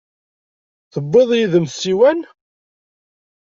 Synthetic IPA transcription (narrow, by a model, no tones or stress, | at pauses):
θəbːɨðˤjiðəmsiwæn